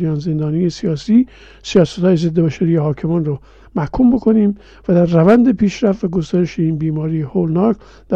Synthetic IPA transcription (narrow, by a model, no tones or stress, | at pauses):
ijɒːnze̞nd̪ɒːnijesijɒːsiː | sijɒːsæ̥t̪hɒːjeze̞d̪ːebæʃæɾijehɒːkʰe̞mɒnro | mæhkʰumbo̞kʰo̞niːm | væd̪æɾːævænd̪epʰiːʃɾæft̪væɡost̪æɾeʃeiːnbiːmɒːɾijeholnɒːk | d̪̥æ